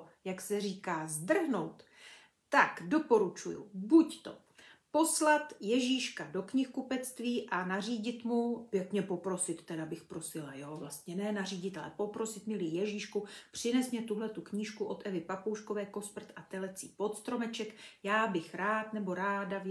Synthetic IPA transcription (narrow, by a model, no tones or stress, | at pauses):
jaksɛriːkaːzd̪r̩ɦno̞wt̪ | t̪akdo̞po̞ɾut͡ʃujṵbuct̪o̰ | poslat̪jɛʒiːʃkado̞kɲɪxkupɛt͡st̪viːʔanariːɟɪt̪mupjɛk̪mɲɛpo̞pɾo̞sɪt̪ːɛdabɪxpɾo̞sɪlajoːvlast̪ɲɛnɛːnariːɟɪt̪alɛpo̞pɾo̞sɪt̪mɪlijɛʒiːʃkupr̝̥ɪnɛsmɲɛt̪uɦlɛt̪ukɲiːʃkuʔo̞t̪ʔɛvɪpapowʃko̞vɛːko̞spr̩t̪ʔat̪ɛlɛt͡sḭːpo̞t̪st̪ɾo̞mɛt͡ʃɛkjaːbɪxɾaːt̪nɛbo̞ɾaːdav